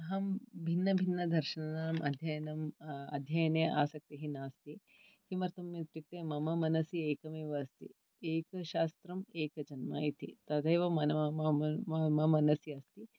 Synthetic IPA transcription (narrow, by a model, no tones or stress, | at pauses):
ɐɦɐmbʱinːɐbʱinːɐd̪ʱɐɾʃɐnɐnaːmʔɐ̰d̪ʱjɐjɐnɐmɐ̰d̪ʱjɐjɐneʔaːsɐk̚t̪iɦinaːst̪i | himɐɾt̪ɐmjɐt̪ɾik̚t̪eːmɐmɐmɐnɐsjieːkɐmeːʋɐːst̪ḭ | eːkɐʃaːst̪ɾɐmeːkɐd͡ʒɐnmaːjit̪it̪ɐd̪ɐjʋɐmɐnɐ | ɐmɐmɐnɐsiɐst̪i